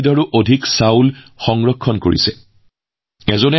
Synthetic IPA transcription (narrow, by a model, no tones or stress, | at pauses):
daɹuʔodʱiksawlxɔŋɹɔkʰːɔnko̰ɹḭsɛ̰ | ɛzɔnɛ